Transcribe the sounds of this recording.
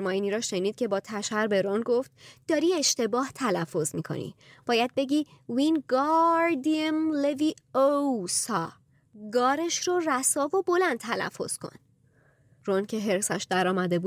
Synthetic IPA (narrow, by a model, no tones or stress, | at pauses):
ɾmɒːiniːɾɒːʃe̞niːd̪̚cʰe̞bɒːt̪ʰæʃæɾbe̞ɾonɡo̞ft̪̚d̪̥ɒːɾiːe̞ʃt̪e̞bɒːht̪ʰælæfːo̞zmiːkʰo̰nḭb̥ɒːjæd̪̚be̞ɟiːvinɡɒɾd̪iemleviosɒː | ɡɒːɾeʃɾoræsɒːvo̞bo̞lænd̪̚t̪ʰælæ̰fːo̞̰z̥kʰo̞̰n | roncʰe̞ɦe̞ɾsæʃd̪æɾɒːmæd̪e̞buː